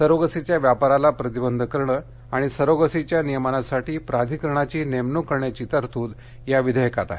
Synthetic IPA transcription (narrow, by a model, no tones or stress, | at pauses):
səɾoɡəsit͡ɕjaʋjapaɾalapɾət̪ibənd̪ʱəkəɾɳə | aɽ̃isəɾoɡəsit͡ɕjanijəmanasaʈiːpɾad̪ʱikəɾəɳ̃at͡ɕiːnemnukəɾɳjat͡ɕiːt̪əɾt̪uːd̪ | jaʋid̪ʱəjəkat̪a̰